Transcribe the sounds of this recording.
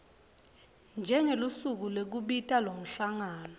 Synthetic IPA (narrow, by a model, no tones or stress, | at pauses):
nd͡ʒʱɛŋelusuk̬ulek̬uɓitʼalom̩ɬaŋaːnɔ